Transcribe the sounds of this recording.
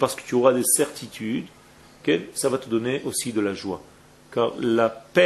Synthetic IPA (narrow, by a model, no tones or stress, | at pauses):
paʁsə̥kə̥t̪yɔʁad̪esɛʁt̪ʰit̪ʰyd̪ | kɛsavat̪əd̪ɔneʔosid̪əlaʒwa̰ | kaːʁlapɛ